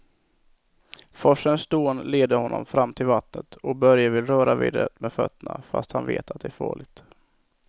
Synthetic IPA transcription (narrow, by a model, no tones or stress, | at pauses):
fɔʂənsd̪oːnleːd̪əhɔnːɔ̰mfɾamːt̪ʰɪlvat̪nət̪ɔk̚bœɾjavɪlɾœːɾavḭːd̪əɾət̪mɛd̪fœ̰t̪ːəɳafa̰st̪hanvḛːt̪at̪̚d̪ɛæɾfɑ̰ːlɪɡ̚t̪